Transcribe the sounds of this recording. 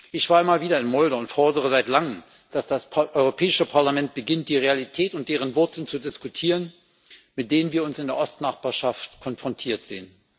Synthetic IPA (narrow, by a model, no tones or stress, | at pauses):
ʔɪçv̥aːɐɪmaːlviːdɐɪnmɔʏdəʊntfɔɐdəʁ̞əzaɪtlaŋəm | d̥asd̥asʔɔʏʁopʰɛːɪʃəpʰaɐlamɛnt̚b̥əɡɪnt̚d̥iːʁealitʰɛːtʊntd̥eːʁ̞ənvʊɐt͡sl̩nt͡sudɪskutʰiːʁən | mɪt̚d̥eːnənviːɐʊnsɪndeːɐʔɔstnaχb̥aːɐʃaftkʰɔnfʁ̥ɔntʰiːɐtz̥eːən